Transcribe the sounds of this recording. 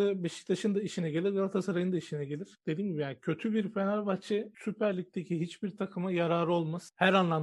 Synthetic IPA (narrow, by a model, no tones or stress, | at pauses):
ɯbeʃi̥c̚t̪ʰaʃɯnd̪aiʃinɛɟe̞lʲiɾjalat̪ʰasaɾajɯnd̪aiʃinɛɟelʲiɾ̥d̪̥e̞d̪iːmɟibijancʰø̞t̪ʰybiɾfe̞naɾʲbat͡ʃʰesypʰæɾlʲic̚t̪ʰe̞cʰiɦit͡ʃbiɾt̪ʰakʰɯmajaɾaːɾɯo̞lˠmashæɾanlˠam